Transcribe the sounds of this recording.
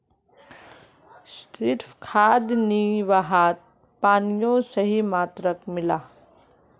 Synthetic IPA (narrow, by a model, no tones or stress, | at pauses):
sɪɾfʰkʰaːd̪niʋaɦaːt̪̚ | paːnijõsəɦimaːt̪ɾəkmɪlaː